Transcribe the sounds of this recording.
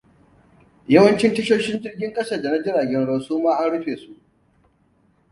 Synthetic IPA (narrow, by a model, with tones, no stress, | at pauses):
jɐ˦wɐ˦nt͡ʃɪ˦ntɐ˦ʃoː˦ʃɪ˦nd͡ʒɪ˦rɡʲɪ˦ŋkʼɐ˦sɐ˨dɐ˨na˦d͡ʒɪ˦ɽaː˨ɡʲɛ˦nɽo˨suː˦maː˦ʔa˦nɽʊ˦ɸeː˨su˦ʔ